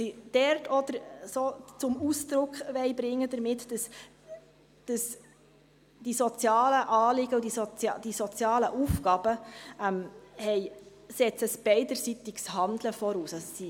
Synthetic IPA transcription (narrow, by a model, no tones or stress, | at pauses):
sid̥ɛɾtʰɔd̥̪əɾsoːt͡sʊmusd̪ɾʊkʰʋɛɪbɾɪŋːəd̥̪əɾmɪt̪d̥əs | d̥əs | d̥isɔt͡sjɑːləʔɑːlɪɡəud̥isɔd̥isɔt͡sjɑːləʔufɡɑb̥əɛmhɛɪ | sɛt͡səsb̥ɛɪd̪əɾsit̪ɪɡshɑnd̪ləfɔɾuːsɑssi